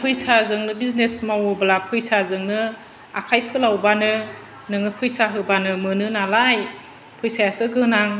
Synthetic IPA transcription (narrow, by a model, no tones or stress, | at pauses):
pʰɯjsazɯŋnɯbiznesmawɯbalapʰɯjsazɯŋnɯ | akʰajpʰɯlawbanɯ | nɯŋɯpʰujsaɦɯbanɯmɯnɯnalaj | pʰɯjsajasɯɡɯnaŋ